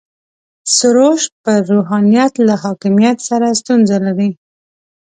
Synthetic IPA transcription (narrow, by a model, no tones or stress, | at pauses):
sʊɾoʃpəɾoɦɑnijat̪lahɑkɪmijat̪saɾast̪unzalaɾi